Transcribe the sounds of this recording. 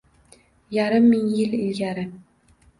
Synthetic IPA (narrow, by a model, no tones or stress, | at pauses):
jaɾɪmːɪŋjɪlɪlɡʲaɾɪ